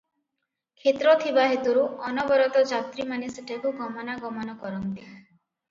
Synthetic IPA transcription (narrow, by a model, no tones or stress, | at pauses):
kʰet̪ɾɔt̪ʰibaɦet̪uɾuɔnɔbɔɾɔt̪ɔd͡ʒat̪ɾimaneseʈʰakuɡɔmɔnaɡɔmɔnɔkɔɾɔnt̪i